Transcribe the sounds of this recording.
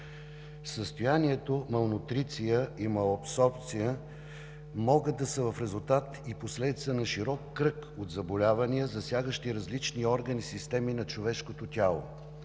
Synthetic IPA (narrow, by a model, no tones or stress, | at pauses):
səst̪ojaniɛt̪omɐlˠnʊt̪ɾit̪sijəimɐɐpsɔɾp̚t̪sijə | mɔɡəd̪ɐsəvɐfɾɛzulˠt̪at̪iposlɛd̪it̪sənɐʃiɾɔkːɾɤkod̪zɐbolʲavɐnijəzɐsʲjaɡəʃt̪iɾɐzlit͡ʃniɔɾɡənisist̪ɛminɐt͡ʃovɛʃkot̪ot̪ʲalˠo̰